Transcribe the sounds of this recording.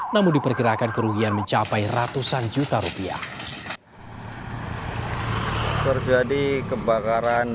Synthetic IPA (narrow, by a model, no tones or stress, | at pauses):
namʊndipərkiɾakankəɾuɡianməɲt͡ʃapajrat̪usand͡ʒut̪aɾupia̰ | t̪ərd͡ʒadikəbakaɾan